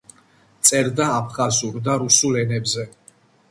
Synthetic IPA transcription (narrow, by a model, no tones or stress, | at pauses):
t̪sʼɛɾd̪aːpʰχazuɾd̪aɾusulɛnɛbzɛ